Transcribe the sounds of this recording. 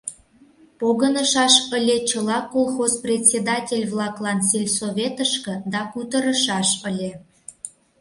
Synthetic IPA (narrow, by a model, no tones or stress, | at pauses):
poɣə̆nə̆ʃɑʃə̆lʲet͡ɕəlˠɑkːolˠxozprʲet̪ʲsʲed̪ɑtʲelʲvlˠɑklˠɑnsʲelʲsoβʲet̪əʃkɤ̆d̪ɑkut̪ə̆ɾə̆ʃɑʃə̆lʲe